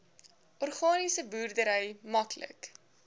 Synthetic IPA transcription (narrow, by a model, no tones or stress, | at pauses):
ʔɔrχɑːnisəbuːrdəɾəjmɐklə̰k